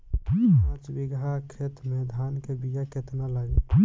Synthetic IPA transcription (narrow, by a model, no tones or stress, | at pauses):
ãt͡ʃbiɡakʰet̪med̪ʱankebijaket̪nalaɡe